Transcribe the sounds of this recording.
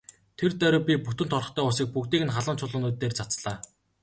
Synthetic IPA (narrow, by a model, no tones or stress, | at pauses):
t̪ʰert̪œɾɵpʲiput̪ɘ̆nt̪ʰɔrɞ̆χt̪ʰœːʊsiːk̚pukt̪iːkɘ̆nχaɮə̆nt͡sʰʊɮʊ̆ːnuːt̪ːeːrt͡sʰat͡sɮaː